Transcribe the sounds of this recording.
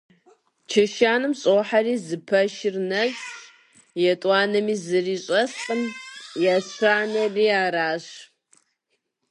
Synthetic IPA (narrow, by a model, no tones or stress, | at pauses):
t͡ʃʰɐʃaːnɨmɕʼoːħariːzɨpʰɐʃɪrnɐɕ | jɛtʼwɑːnɐmiːzɨriːɕʼɐsqʼəmjaːɕaːnɐriːaːraːɕ